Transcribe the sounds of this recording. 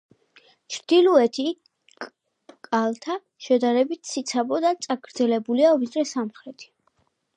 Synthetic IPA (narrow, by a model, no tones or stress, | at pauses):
t͡ʃʰɾd̪̥ilˠuɛt̪ʰi | kʼ | kʼalˠt̪ʰa | ʃɛd̪aɾɛbit̪ʰsit̪sʰabɔd̪at̪sʼaɡɾd̪zɛlɛbuliavid̪ɾɛsamχɾɛt̪ʰi̥